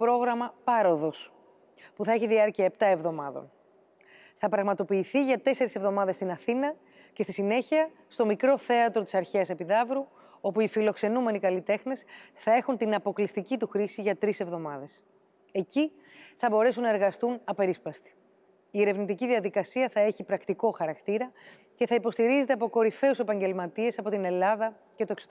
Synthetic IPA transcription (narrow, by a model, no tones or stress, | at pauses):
pɾo̞ɣɾɐmɐpɐɾo̞ðo̞s | puθɐeçiðiɐɾciɐept̪ɐe̞vðo̞mɐðo̞̰n | θɐpɾɐɣmɐt̪o̞piːθiʝɐt̪e̞se̞ɾise̞vðo̞mɐðe̞st̪inɐθinɐ | cest̪isine̞çiɐ | st̪o̞mikɾo̞θe̞ɐt̪ɾo̞t̪i̥sɐɾçeɐse̞piðɐvɾu | o̞puifilo̞kse̞nume̞nikɐlit̪e̞xne̞sθɐe̞xunt̪inɐpo̞klist̪icit̪uxɾisiʝɐt̪ɾise̞vðo̞mɐðe̞s | e̞ci | θɐbo̞ɾe̞sunːɐe̞ɾɣɐst̪unɐpe̞ɾispɐst̪i̥ | ie̞ɾe̞vnit̪iciðiɐðikɐsiɐθɐeçipɾɐkt̪iko̞xɐɾɐkt̪iɾɐ | ce̞θɐipo̞st̪iɾize̞t̪e̞ɐpoko̞ɾife̞use̞pɐɲɟe̞lmɐt̪ie̞sɐpo̞t̪ine̞lɐðɐ | cet̪oeksot̪